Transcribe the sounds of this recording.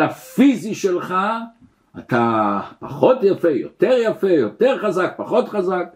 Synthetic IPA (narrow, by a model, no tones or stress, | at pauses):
afiziʃelχa | at̪apaχo̞tjafejo̞̰t̪e̞ʁjafe̞jo̞t̪e̞ʁχazak̚paχo̞t̪χazak̚